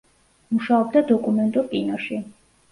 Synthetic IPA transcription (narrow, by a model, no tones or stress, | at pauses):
muʃaɔb̚d̪ad̪ɔkʼumɛnt̪ʼuɾpʼinɔʃi